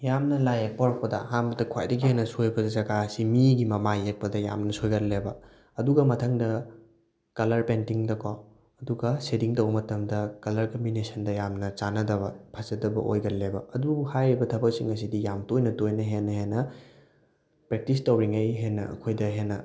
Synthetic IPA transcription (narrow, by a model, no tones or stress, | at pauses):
jamnɐlajek̚paɾɐk̚pɐdɐ̰ɦambɐtɐkʰwa̰jdɐɡiɦenɐsojbɐdɐzɐɡasimiɡimɐmajek̚pɐdɐja̰mnɐsojɡɐllebɐ | ɐduɡɐmɐtʰɐŋdɐ | kɐlɐɾpentiŋdɐkʰa | ɐduɡɐsediŋtɐwɐmɐtɐmdɐkɐlɐɾkɐmbinesɐndɐjamnɐt͡ʃanɐdɐbɐpʰɐzɐdɐbɐ̰ʔo̰jɡɐlːebɐːduhajɾibɐtʰɐbɐk̚siŋːɐs̬idijamtojnɐtojnɐɦenːɐɦenɐ | pɾek̚tistowɾiŋejɦenːɐɐ̰kʰojdɐɦenɐ